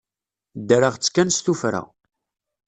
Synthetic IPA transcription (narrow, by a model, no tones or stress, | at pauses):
d̪əɾəʁt͡sːkːænst̪ufɾa̰